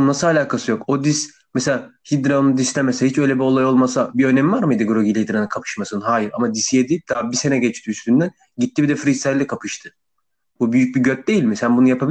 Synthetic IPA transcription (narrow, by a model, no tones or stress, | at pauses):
nasɯalʲaːkʰasɯjo̞kod̪is | mɛseaːhid̪ɾanɯd̪islʲɛmɛsɛhit͡ʃø̞jlʲɛbio̞lˠajo̞lˠmasabiø̞nɛmivaɾmɯjd̪ɯɡɾoɟilʲihid̪ɾanɯkʰapʰɯ̥ʃmasɯnɦaːjiɾa̰mad̪isijed̪ejip̚d̪̥abise̞nɛɟɛt͡ʃt̪ʰiːst̪ʰynd̪æn | ɟit̪ʰːibid̪ɛfɾisælʲːɛkʰapʰɯʃt̪ʰɯ̥ | bubyjyc̚biɟøt̪̚d̪ejilʲmɛseabunjapʰabi